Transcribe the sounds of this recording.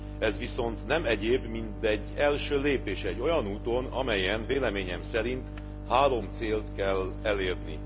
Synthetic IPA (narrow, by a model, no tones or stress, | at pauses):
ɛzʋiso̞nt̪nɛmɛɟeːbmint̪ɛɟːɛlʃøːleːpeːʃɛɟːo̞jɒnuːt̪o̞nɒ̰mɛjɛnveːlɛmeːɲɛmsɛɾint̪ | haːɾo̞mt̪seːlt̪kɛlɛleːrnḭ